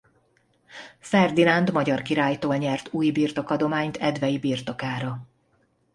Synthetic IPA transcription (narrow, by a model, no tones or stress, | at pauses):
fɛrd̪inɒnd̪mɒɟɒrkiɾaːjt̪oːlɲɛrt̪uːjbiːrt̪o̞kɒd̪o̞maːɲt̪ʰɛd̪vɛjibiːrt̪o̞kaːɾɒ